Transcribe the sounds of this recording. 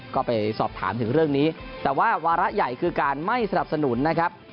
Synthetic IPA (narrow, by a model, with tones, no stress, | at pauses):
kɔː˥˩pa˧jsɔː˨˩p̚t̪ʰa̰ː˩˦mt̪ʰɯ˩˦ŋɾɯ˥˩əŋniː˦˥t̪ɛː˨˩waː˥˩waː˧ɾa˦˥ʔja˨˩jkʰɯː˧kaː˧nma˥˩jsa˧na˨˩p̚sa˧nu˩˦nːa˦˥kʰɾa˦˥p̚